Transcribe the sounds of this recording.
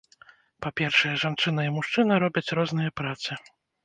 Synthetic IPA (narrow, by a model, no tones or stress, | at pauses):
papʲɛrʂɐjɛʐant͡ʂɨnɐimuʂt͡ʂɨnɐɾɔbʲɐt͡sʲɾɔzn̪ɨjɐpɾat̪sɨ